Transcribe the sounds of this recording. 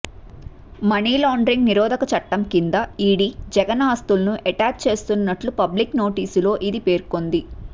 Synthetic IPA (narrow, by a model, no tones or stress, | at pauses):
mɐniːlaːɳɖɾiŋɡniɾɔːd̪ʱɐkɐt͡ʃɐʈːɐmkind̪ɐiːɽid͡ʒɛɡɐnaːst̪ulɐnuʔeʈaːd͡ʒ̚t͡ʃe̞ːst̪unːɐʈlupɐblikno̞ːʈiːsulo̞ːʔid̪ipe̞ːɾko̞nd̪i